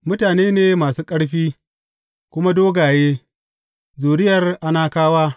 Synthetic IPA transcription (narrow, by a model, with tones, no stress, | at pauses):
mʊ˦taː˨neː˦neː˦maː˨suː˦kʼɐ˦ɽɸiː˦ | kʷʊ˦ma˦doː˦ɡaː˨jeː˦ | zuː˨ɽɪ˦jɐ˨rʔa˦naː˦kaː˦waː˦